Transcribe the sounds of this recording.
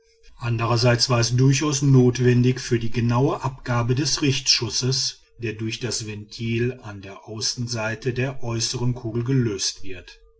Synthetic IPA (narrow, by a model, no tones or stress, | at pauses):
ʔandəʁɐzaɪt͡sv̥aːɐɛsd̥ʊɐçʔaʊsnoːtv̥ɛndɪçfyːɐdiːɡənaʊəʔapɡ̥aːbədɛsʁɪçtʃʊsəs | d̥eːɐdʊɐçd̥asv̥ɛntʰiːlandeːɐʔaʊsn̩zaɪtədeːɐʔɔʏsəʁənkʰuːɡl̩ɡəløːstv̥ɪɐt